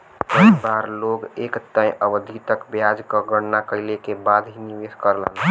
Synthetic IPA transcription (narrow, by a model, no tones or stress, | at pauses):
pəbaɾloɡekt̪ə̃j̃ʔəʋəd̪ʱit̪əkbjad͡ʒkəɡəɽnakəilekebad̪ɦiniʋeskəɾlə̰n